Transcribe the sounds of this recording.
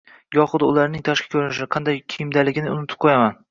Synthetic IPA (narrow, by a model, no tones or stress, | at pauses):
jɒχʊd̪ʊ̰laɾnɪŋt̪ʰaʃkʰʲḁkʲʰɵɾɪnɪʃɪqʰɑnd̪ajkʲʰijɪmd̪alɪɡʲɪnɪʊ̰nɪt̪ʰɪ̥p̚qʰojaman